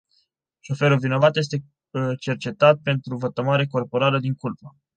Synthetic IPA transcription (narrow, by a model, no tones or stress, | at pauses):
ʃo̞fe̞ɾuvino̞vat̪je̞s̬t̪e̞ | t͡ʃe̞rt͡ʃe̞t̪at̪̚pe̞nt̪ɾuvət̪əmaɾeko̞rpo̞ɾaləd̪iŋkulpə